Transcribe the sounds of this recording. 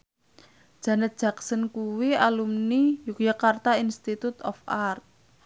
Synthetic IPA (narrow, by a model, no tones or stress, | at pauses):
d̥ʒ̥a̤nət̪̚d̥ʒ̥ä̤ksənkuwialumnijukjakart̪ainst̪it̪ut̪ɔfart̪̚